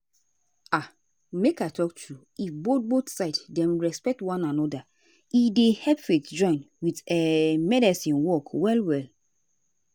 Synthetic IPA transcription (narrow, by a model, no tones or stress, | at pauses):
a | mekaɪtʰɔk̚tʰu | ifbot̚botsaɪddɛ̃mɹɛspɛk̚twãnanɔda | idehɛpfetd͡ʒɔ̃ɪ̃nwitɛmɛdɛsĩnwɔkwɛlwɛl